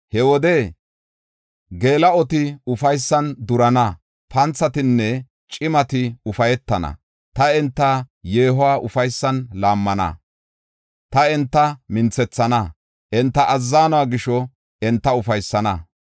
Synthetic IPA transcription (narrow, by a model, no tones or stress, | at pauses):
hɛwɔd̪e | ɡe̞ːlɐɔt̪ɪʊfɐjsːɐnd̪ʊɾɐnɐ | pʰɐnt͡sːɐt̪ɪnːɛ | t͡ʃʼɪmɐt̪ɪʊfɐjɛt̪ːɐnɐ̰ | t̪ɐɛnt̪ːɐje̞ːɦʊwaːʔʊfɐjsːɐnlaːmːɐnɐ̰ | t̪ɐɛnt̪ːɐmɪnt͡sːɛt͡sːɐnɐ | ʔɛnt̪ːɐʔɐzːaːnɔwaːɡɪʃɔ | ɛnt̪ːɐʊfɐjsːɐnɐ